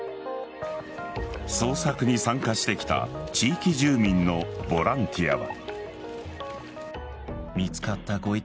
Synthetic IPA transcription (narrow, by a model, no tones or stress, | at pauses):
so̞ːsakɯ̟ɲ̟isãŋkaɕi̥t̪e̞kʲi̥t̪a̰t͡ɕiːkʲiʑɨːmʲĩnːo̞bo̞ɾãnt̪ʲʰija̰βa̰ | mʲit͡sɨ̥kat̪ːaɡo̞i